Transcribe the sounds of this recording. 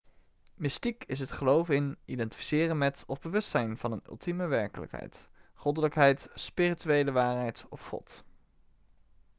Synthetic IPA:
mɪstikɪs̬ɦətχəlowvɪnidɛnti̥fi̥sɪːrənmɛtɔvbəʋɵstsɛjnv̥ɑnənɵ̰lˠtiməʋɛɹkələ̰kɦɛ̰jtχɔdələkɦɛjtspiːrityejləʋaːrɦɛjtɔfχɔ̰t

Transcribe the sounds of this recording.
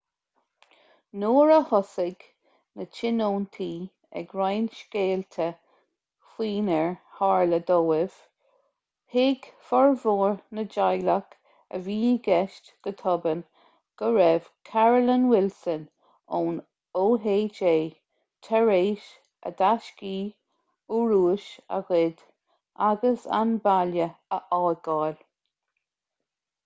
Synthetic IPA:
noːɹəhɔsɪɡ | nət͡ʃɪnoːnt̪ʰiː | ɛ̰ɡɹajnʃkeːlt̪ʰə | xiːnəɹhaɹləd̪oːɪv̥ | hɪɡfɔɹvoːɹnəd͡ʒajlak | ə̰viːɡɛʃtɡ̥ət̪ʰɔbən | ɡ̥əɹɛv̥kʰaɹəlinwɪlsən | oːn | oːɦeːd͡ʒeː | t̪ʰɛɹeːʃ | ə̰d̪aʃkiː | uɹuːʃa̰ɣɪd̪ | ʔaɡəsa̰nbaljəəʔɑːɡɑːl

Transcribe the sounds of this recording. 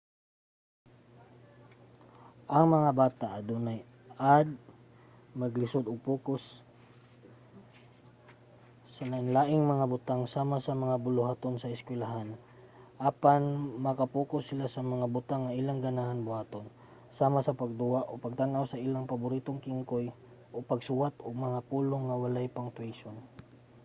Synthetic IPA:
ʔɐŋmɐŋabaːt̪aʔɐd̪uːnaj | ad̪̚ | mɐɡlɪsod̪ʊɡ̚puːkos | ɐlaʔɪŋlaːʔɪŋmɐŋabʊt̪aŋsaːmasɐmɐŋabʊlʊhaːt̪onsɐɪskwɛlaɦan | ʔapanmɐkapuːkʊsːɪlasɐmɐŋabʊt̪aŋːaʔilaŋɡanahanbʊhaːt̪on | saːmasɐpaɡ̚d̪ʊaʔopaɡ̚t̪anʔawsɐʔiːlaŋpabʊɾiːt̪oŋkiŋkoj | ʔopaɡsʊwat̪ʊɡ̚mɐŋapuːloŋːɐwalajpaŋt̪wejʃon

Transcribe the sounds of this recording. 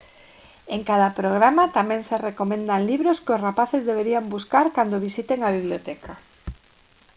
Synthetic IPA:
eŋkaðapɾoɣ̞ɾamat̪amɛ̃ŋserekomẽnd̪aŋliβɾoskɪʊsrapaθezðeβ̞eɾiambuskaɾkand̪oβ̞isit̪eŋaβiβljot̪ɛkʰa

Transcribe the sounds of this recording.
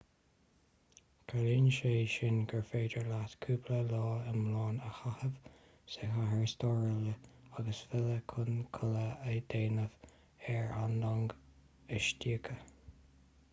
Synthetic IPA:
kʰalinʃeːʃɪnɡəɹfeːdəɹlat̪kʰuːpləlɔːəmlɑːnəxahəv | sehaɦəɹst̪ɔːɹɪləaɡəsfɪləkʰʊnkʰʊləəd̪eːnəv | ɛɹandɔŋɡ | əʃtiəkʰə

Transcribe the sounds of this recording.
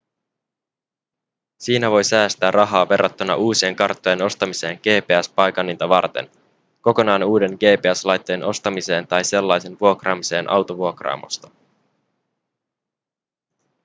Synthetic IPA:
siːnæʋo̞jsæːst̪æːrrʔɑɦɑːʋe̞rːɑt̪ːunɑ̰ʔuːsie̞ŋkɑrt̪ːo̞je̞no̞st̪ɑmise̞ːŋɡ̥e̞ːpe̞æspɑjkɑnːint̪ɑʋɑrt̪e̞̰n | ko̞ko̞nɑːnuːde̞nɡe̞ːpe̞æslɑjt̪ːo̞jenʔo̞st̪ɑmise̞ːnt̪ɑjse̞lːɑjse̞nʋuo̞krɑːmise̞ːnʔɑ̰wt̪oʋuo̞krɑ̰ːmo̰st̪ɑ̥

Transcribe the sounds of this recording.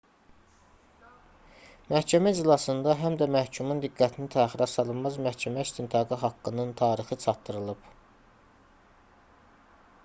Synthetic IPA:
mæhcʰæmæid͡ʒlˠɑsɯnd̪ɑɦæmd̪æmæhcʰumund̪iɡːæt̪ʰinit̪ʰæːχiɾɑsɑlˠɯnmɑzmæhcʰæmæist̪ʰint̪ʰɑɡɯɦɑkːɯnɯnt̪ʰɑːɾixɯt͡ʃʰɑt̪ːɯɾɯlˠɯb̥

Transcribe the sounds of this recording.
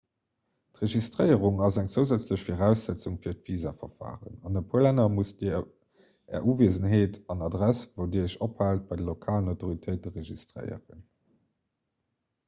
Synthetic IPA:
tʁeʒistʁəɪəʁuŋɑzæŋt͡səʊzæt͡sləɕfoʁæʊsz̥æt͡suŋfiːɐtv̥iːzaːfɐfa̰ːʁə̰nɑnəpʰuəlænɐmusdi | ɛ̰ːɐʔuːveːzənɦeːtɑnɑdʁæsvoʊdiːəʃophaːlt̚b̥ɑɪdəlokʰaːlənaʊtoʁitʰəɪt̚dəʁeʒistʁə̰ɪə̰ʁə̰n

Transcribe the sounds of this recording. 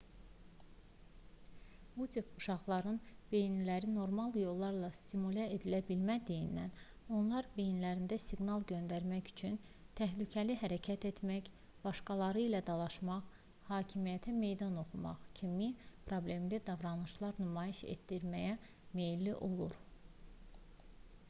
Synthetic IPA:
but̪epuʃɑʁlˠɑɾɯnb̥e̞jnilæɾino̞ɾmɑlˠjo̞lˠːɑɾlˠɑst̪imulʲeed̪ilæbilmæd̪ijinːæn | o̞nlˠɑɾbe̞jnilæɾind̪æsiɡnɑlˠɟø̞nd̪æɾmæçy̥t͡ʃʰyn | t̪ʰæɦlycʰæliɦæɾæcʰæt̪e̞t̪mæç | b̥ɑʃkɑlˠɑɾɯilæd̪ɑlˠɑʃmɑχ | hɑːcʰimijæt̪ʰæme̞jd̪ɑno̞χumɑ̰χcʰimipʰɾo̞blʲe̞mlid̪ɑvɾɑnlˠɯʃlˠɑɾnumɑːjiʃḛt̪ːiɾmæjæ | me̞jlːiʔo̞lˠṵɾ

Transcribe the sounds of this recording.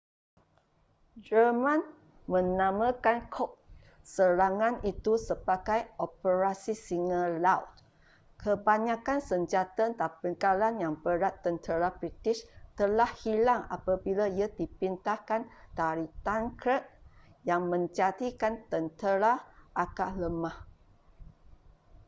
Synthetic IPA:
d͡ʒəmãn | mə̃nãmãkankʰɔp̚ | səɾaŋãnit̪usəbaɡajopəɾasisiŋə̃lawt̪̚ | kʰəbaɲãkansəɲd͡ʒat̪ant̪apəŋkalanjaŋbəɾat̪ːənt̪əɾabɾit̪iʃt̪əlahhilaŋa̰pabilaiadipint̪ahkant̪aɾit̪aŋkɾət̪̚jaŋmə̃ɲd͡ʒaɾikant̪ənt̪əɾaʔakaʔləmah

